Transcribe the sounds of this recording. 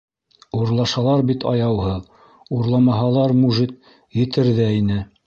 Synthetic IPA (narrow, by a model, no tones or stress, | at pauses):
uɾlˠɑʃɑlˠɑɾbit̪ʰɑ̰jɑwɦɤð | uɾlˠɑmɑɦɑlˠɑɾmuʒit̪̚ | jɘ̆t̪ɘ̆ɾðæinɘ